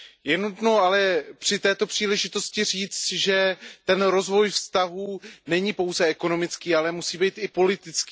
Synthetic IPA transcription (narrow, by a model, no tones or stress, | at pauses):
jɛnut̪noalɛpr̝̥ɪt̪ɛːt̪o̞pr̝̥iːlɛʒɪt̪o̞scɪr̝iːt͡st̪ʒɛt̪ɛnɾo̞zvo̞jfst̪aɦuːnɛɲɪpo̞wzɛɛko̞no̞mɪt͡skiːalɛmusiːbɛjt̪ɪpo̞lɪt̪ɪt͡skiː